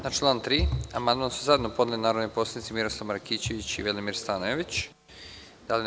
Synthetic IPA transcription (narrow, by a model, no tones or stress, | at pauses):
nat͡ʃlˠaːnt̪ɾiːamand̪mansuzaed̪nopo̞d̪elinaːɾod̪noposlad̪nit̪simiɾo̞slˠaʋmaɾkiːt͡ɕeʋit͡ɕḭʋelimiɾst̪anoeʋit͡ɕ | d̪̥alin